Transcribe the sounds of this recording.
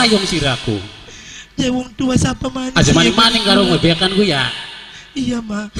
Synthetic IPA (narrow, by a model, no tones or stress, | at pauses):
ajɔŋsiɾakṵ | jawɔŋt̪uasapamanad͡ʒamanɛŋmanɛŋkaɾoŋwebekankuja | ijama